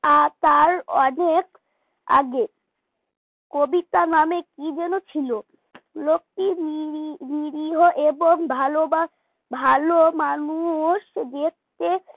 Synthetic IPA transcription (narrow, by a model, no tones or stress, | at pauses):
at̪aɾɔnek | a̰ɡe | kobit̪anamekid͡ʑɛnot͡ɕʰilo | lok̚ʈiniiniɾiɦoʔeboŋbʱaloba | bʱalomanuʃd̪ek̚t̪e